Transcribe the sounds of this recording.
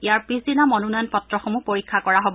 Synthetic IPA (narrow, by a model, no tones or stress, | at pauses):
ijaɹpɹisinamɔnunajnpɔtɹɔxɔmupoɹikʰːakɔɹaɦɔbɔ